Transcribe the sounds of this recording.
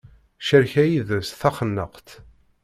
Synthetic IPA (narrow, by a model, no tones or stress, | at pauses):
ʃəɾçæjiðəsθæχənːəqt̪